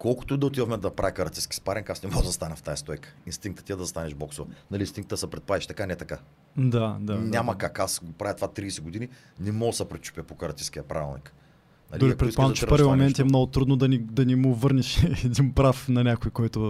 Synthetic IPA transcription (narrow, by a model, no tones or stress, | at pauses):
kɔlˠkʊ̥t̪ʊd̪ɐot̪ivɐfmɛnd̪ɐpɾʔavikɐɾɐt̪iskʲi̥spaɾɛnkasnɛmɔd̪ɐzɐst̪anɛft̪ajɐst̪ɔjkə̥inst̪iŋk̚t̪ə̥t̪iɛd̪ɐzɐst̪anɛʃbɔksovɐnɐlinst̪ĩŋk̚t̪əsəpɾɛt̪̚pad̪ʲiʃt̪ɐkanɛt̪ɐka | d̪ad̪anʲamɐkakasɡopɾavjɐt̪ovat̪ɾiːsɛɡʊd̪ini | nɛmɔsəpɾɛt̪t͡ʃu̥pʲəpokɐɾɐt̪iskiɐpɾa̰vʲilˠnḭk | nɐ̰ld̪ʊɾikpɾɛtikpant͡ʃɛpəɾvimomɛnt̪ɛmnɔɡʊt̪ɾud̪nod̪ɐnid̪ɐnimʊvəɾnɛʃɛd̪inpɾafnɐnʲakʊjkɔjt̪ʊ